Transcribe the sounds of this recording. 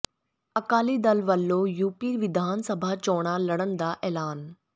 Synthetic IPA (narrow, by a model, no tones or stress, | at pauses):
əkaːliːd̪əlʋəlːoːjuːpiːʋɪd̪ʱaːnsəbʱaːt͡ʃɔːɽ̃aːləɽ̃ənd̪aːʔɛːlaːn